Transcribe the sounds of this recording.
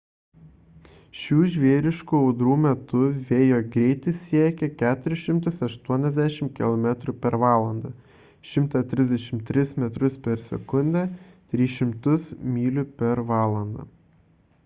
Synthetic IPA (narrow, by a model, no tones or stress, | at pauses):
ʃʲuːʒʲʋʲiɛɾʲɪʃkuːɐʊd̪ɾuːmʲɛt̪ʊʋʲeːjoːɡɾʲɛɪt̪ʲɪsʲiɛkʲɛkʲæːt̪ʊɾʲɪʃʲɪmt̪ʊsɐʃt̪uɔnʲɛzʲd̪ʲæʃʲɪmkʲɪlˠɔmʲɛt̪ɾʊpʲɛɾʋɑːlˠɐnd̪ɑː | ʃʲɪmt̪ɑt̪ʲɾʲɪzʲd̪ʲɛʃʲɪmt̪ʲɾʲɪsmʲɛt̪ɾʊspʲɛɾsʲɛkʊnʲd̪ʲæ | t̪ʲɾʲiːʃʲɪmt̪ʊsmʲiːlʲʊpʲɛɾʋɑːlˠɐnd̪ɐ̰ː